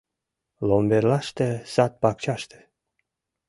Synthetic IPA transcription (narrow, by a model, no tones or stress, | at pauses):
lombeɾlaʃt̪esat̪̚pakt͡ʃaʃt̪e̥